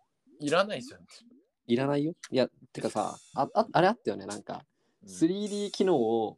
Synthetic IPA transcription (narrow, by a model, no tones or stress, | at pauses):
iɾanaid͡ʑan | iɾanaijojat̪ːe̞kasa̰aat̪aɾe̞at̪ːajo̞ne̞nãŋka̰ | sɨɾʲiːd̪ʲiːkʲino̞ːo